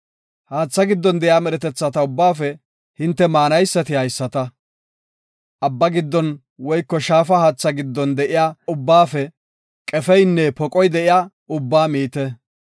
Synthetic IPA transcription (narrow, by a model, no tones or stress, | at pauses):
haːt͡sːɐɡɪd̪ːɔnd̪ɛʔɪjaːmɛɾɛt̪ɛt͡sːɐt̪ɐʊbːaːfɛ | hɪnt̪ːɛmaːnɐjsːɐt̪ɪhɐjsːɐt̪ɐ | ʔɐbːɐɡɪd̪ːɔn | wɔjkːɔʃaːfɐhaːt͡sːɐɡɪd̪ːɔnd̪ɛʔɪjaːʊbːaːfɛ | kʼɛfɛjnːɛpɔkʼɔjd̪ɛʔɪjaː | ʊbːaːmiːt̪ɛ